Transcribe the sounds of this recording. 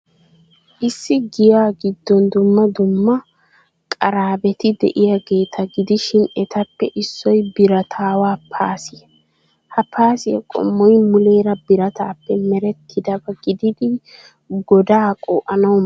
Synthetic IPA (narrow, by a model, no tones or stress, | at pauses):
ʔɪsːɪɡɪjaːɡɪd̪ːɔnd̪ʊmːɐd̪ʊmːɐ | kʼɐɾaːbɛt̪ɪd̪ɛ̰ʔɪjɐɡeːt̪ʰɐɡɪd̪ɪʃɪnɛt̪ɐpːɛʔɪsːɔjbɪɾɐt̪ʰaːwaːpʰːaːsɪ | hɐpʰaːsɪjɐkʼɔ̰mːɔjmʊleːɾɐbɪɾɐt̪aːpːɛmɛɾɛt̪ʰːɪd̪ɐbɐɡɪd̪ɪd̪ɪ | ɡɔd̪aːkʼo̰ːʔɐnɐw